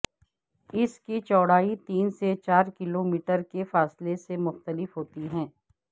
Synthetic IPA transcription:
ɪskit͡ʃɔːɽ̤aːit̪iːnset͡ʃaːɾkɪloːmiːʈəɾkefaːslesemʊxt̪əlɪfɦoːt̪iɦɛ̃ː

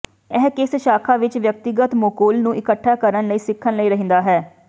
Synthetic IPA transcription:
ɛɦkɪsʃaːkʰaːʋɪt͡ʃʋjək̚t̪ɪɡət̪moːkoːlnũːʔɪkəʈʰːaːkəɾənləiːsɪkʰːənləiːɾəɦĩːnd̪aːɦɛː

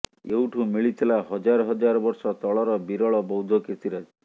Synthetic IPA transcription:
euʈʰũmiɭit̪ʰilaɦɔd͡ʒaɾɔɦɔd͡ʒaɾɔbɔɾsɔt̪ɔɭɔɾɔbiɾɔɭɔbɔwd̪ʱɔkesiɾad͡ʒ

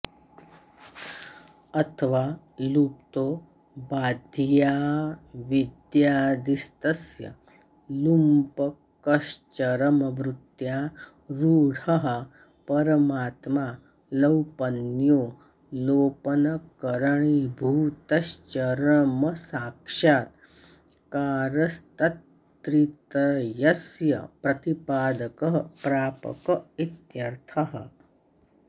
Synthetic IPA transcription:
ɐt̪ʰəʋaː | lup̚t̪oː | baːd̪ʱjaːʋid̪jaːd̪ist̪ɐsjɐ̰ | lumpɐ | kɐʃt͡ʃɐɾəməʋɾut̪jaː | ɾuːɽ̤ɐɦə | pɐɾəmaːt̪maː | ləwpɐnjoː | loːpɐnɐkɐɾɐɳibʱuːt̪ɐʃt͡ʃɐɾəmɐsaːkʂaːt̪ | kaːɾɐst̪ɐt̪ː | ɾit̪ɐjɐsjɐ̰pɾɐt̪ipaːd̪ɐkɐɦpɾaːpɐ̰kɐit̪jɐɾt̪ʰɐɦɐ̰

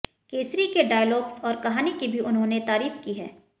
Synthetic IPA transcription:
keːsɾikeɖaːjlɔːɡzɔːɾkɐɦaːnikibʱiʊnɦõnet̪aːɾiːfkiɦɛ̰ː

